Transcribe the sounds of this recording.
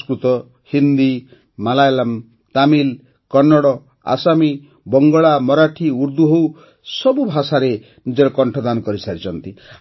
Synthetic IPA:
skɾut̪ɔ | hind̪i | malajlam | t̪amil | kɔnːɔɽɔ | a̰sami | bɔŋɡɔɭamɔɾaʈʰiuɾd̪uɦow | sɔbubʱasaɾe | nid͡ʒɔɾɔkɔɳʈʰɔd̪anɔkɔɾisaɾit͡ʃʰɔnt̪i

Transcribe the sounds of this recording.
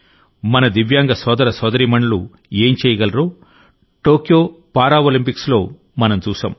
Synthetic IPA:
mɐnɐd̪iʋjaːŋɡɐsɔːd̪ɐɾɐsɔːd̪ɐɾiːmɐɳɐlu | eːmt͡ʃɛːjɐɡɐlɐɾoː | ʈo̞ːkjoː | paːɾaːolimpikslo̞ː | mɐnɐmt͡ʃuːsɐ̰ːm

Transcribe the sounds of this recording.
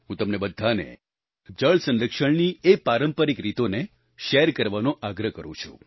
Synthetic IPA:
ɦũt̪əmnebəd̪ʱːanḛ | d͡ʒəɭsənləkʃəɳniepaɾəmpəɾikɾit̪one | ʃeɾkəɾʋanoʔaɡɾəkəɾṵ̃t͡ʃʰṵ̃

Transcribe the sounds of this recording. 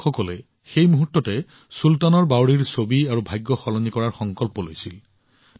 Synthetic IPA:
xɔkɔlɛ | xejmuɦutːɔtɛ | sultanɔɹbawɹiɹsobiaɹubʱajɡːɔxɔlɔnikɔɹaɹxɔŋkɔlpɔlojsil

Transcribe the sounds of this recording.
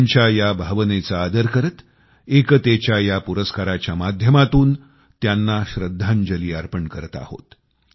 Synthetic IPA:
ɲt͡ɕjajabʱaʋnet͡saːd̪əɾkəɾət̪ | ekət̪et͡ɕjajapuɾəskaɾat͡ɕjamad̪ʱjəmat̪uːn | t̪janːaɕɾəd̪ʱːand͡ʑəliːaɾpəɳkəɾət̪a̰ho̰t̪

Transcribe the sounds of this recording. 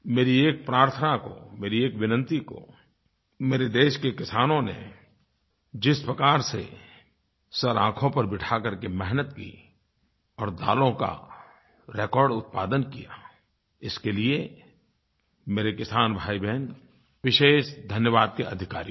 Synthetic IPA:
meːɾieːk̚pɾaːɾt̪ʰənako̰meːɾieːkʋɪnə̃nt̪iko̰ | meːɾed̪eːʃkekɪsaːnõnḛ | d͡ʒɪspɾəkaːɾsḛ | sɐɾãːkʰõpɐɾbɪʈʰakɐɾkemɛɦnət̪kḭ | ɔːɾd̪a̰ːlõka̰ | ɾeːkɔːɾɖʊt̪̚paːd̪ənkija | ɪskelie | meːɾekɪsaːnbʱaːibɛɦn | ʋɪʃeːʃd̪ʱənjəʋaːd̪̚keɐ̰d̪ʱɪkaːɾi

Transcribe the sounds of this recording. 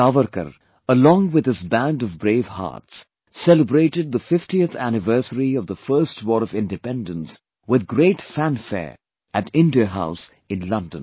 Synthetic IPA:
avəɾkə̰ɾ | əlɔ̃ŋwɪd̪ɨzbæ̃ndʌvbɾeɪvha̰ːts | sɛləbɾeɪʈɨd̪̚ðəfɪftiəθænɨvɜ˞səɾiʌvðəfɜ˞stʰwɔːɾʌvɪ̃ndɨpɛ̃ndə̃ns | wɪðɡɾeɪtfæ̃nfɛ̰ɹ | ʔætɪ̃ndiəɦaʊs | ɨ̃nlʌ̃ndə̃n

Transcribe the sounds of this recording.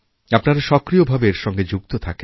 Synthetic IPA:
apnaɾaʃɔkɾiobʱabeɾʃɔŋɡed͡ʑuk̚t̪ot̪ʰake

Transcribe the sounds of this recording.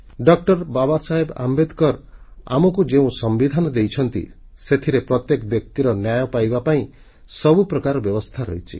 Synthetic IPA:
ɖɔk̚ʈɔɾbabasaɦeba̰mbed̪kɔɾa̰mɔkud͡ʒeũsɔmbid̪ʱanɔd̪ejt͡ʃʰɔnt̪ḭ | set̪ʰiɾepɾɔt̪jekbjɔkt̪iɾɔnjajɔpajbapaĩ | sɔbupɾɔkaɾɔbjɔbɔst̪ʰaɾɔjt͡ʃʰḭ

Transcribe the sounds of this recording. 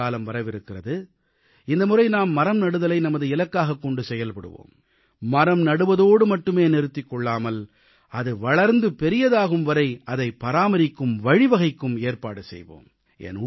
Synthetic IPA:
aːlɐmʋɐɾɐʋɪɾɯkːɪrɐðɯ | ɪnd̪ɐmʊrɐɪnaːmːɐɾɐmnɐɽɯðɐlɐɪnɐmɐðɯɪlɐkːaːɣɐkːɔɳɖɯsɛjɐlpɐɽɯ̰ʋo̰ːm | mɐɾɐmnɐɽɯʋɐðoːɽɯmɐʈːɯmeːnɛɾɯt̪ːɪkːɔɭːaːmɐl | ɐðɯʋɐɭɐɾnd̪ɯpɛɾɪjɐðaːɣɯmʋɐɾɐɪɐðɐɪpːɐɾaːmɐɾɪkːɯmʋɐɻɪʋɐɣɐɪkːɯmeːrpaːɽɯsɛ̰jʋo̰ːm | ʔɛ̰n

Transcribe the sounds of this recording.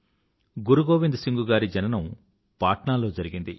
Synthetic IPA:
ɡuɾuɡo̞ːʋind̪usiŋɡuɡaːɾid͡ʒɐnɐnɐm | paːʈɳaːlo̞ːd͡ʒɐɾiɡind̪i

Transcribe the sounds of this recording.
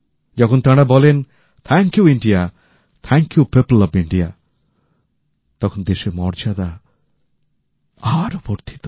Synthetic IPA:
d͡ʒɔkʰɔnt̪aɽabɔlen | t̪ʰɛŋkjuiɳɖija | t̪ʰɛŋkjupeplɔbiɳɖija | t̪ɔkʰɔnd̪eʃemɔɾd͡ʒad̪a | aɾopoɾt̪ʰi̥t̪ɔ̥

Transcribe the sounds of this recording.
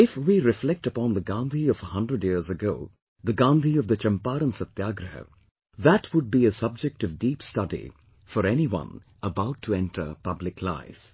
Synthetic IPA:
ɪfwiɾɪflɛk̚təpɔ̃nðəɡãnd̪iʌvəhʌ̃ndɾəɖjizəɡoʊ | ðəɡãːnd̪ʱiʌvðət͡ʃʌ̃mpaːɾə̃nsət̪jaːɡɾɨɦə̰ | ðætʰwʊd̚biɨsʌb̚d͡ʒɛk̚ʈʌvdiːpstʌdḭ | fəɾɛniwʌ̰̃n | əbaʊtʰːəɛ̃ntʰə̰˞pʌblɪkʰla̰ɪf

